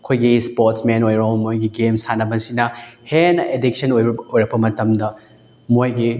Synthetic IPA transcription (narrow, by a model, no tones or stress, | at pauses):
kʰojɡispoɾtsmenojɾomojɡiɡemsanɐbɐsinɐhenɐʔedik̚sɐnojojɾɐbɐmɐtɐmdɐ | mojɡi